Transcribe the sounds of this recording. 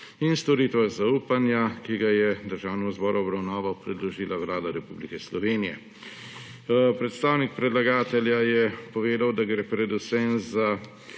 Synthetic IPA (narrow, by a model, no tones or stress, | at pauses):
inst̪ɔɾiːt̪ʋazauːpanjakiɡajɛd̪əɾʒaːwnɛmɔzbɔːɾuɔbɾawnaːʋawpɾɛd̪lɔʒiːlawlaːd̪aɾɛpublikɛslɔʋeːnijɛ̰ | pɾɛt̪st̪aːwnik̚pɾɛd̪laɡaːt̪ɛljajɛpɔʋeːd̪awd̪aɡɾeːpɾɛd̪usɛmza